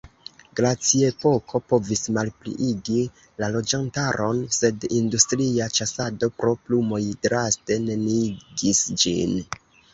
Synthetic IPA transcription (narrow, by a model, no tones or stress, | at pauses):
ɡ̥ɾat͡sie̞po̞kʰo̞po̞vismalplḭʔiɡi | lalo̞d͡ʒantaɾʔo̞nse̞dindustɾiat͡ʃasado̞pɾo̞plumo̞jdɾaste̞ne̞niɡisd͡ʒḭn